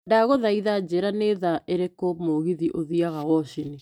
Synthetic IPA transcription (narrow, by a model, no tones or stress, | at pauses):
daɣoðaiðad͡ʑeɾaneðaʔeɾekomoɣiðiʔoðiaɣawɔɕini